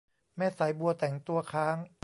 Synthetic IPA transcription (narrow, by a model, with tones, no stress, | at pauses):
mɛː˦˥˩sa˨˩˦jbu˧ət̪ɛ˨˩˦ŋt̪u˧ɐkʰaː˦˥ŋ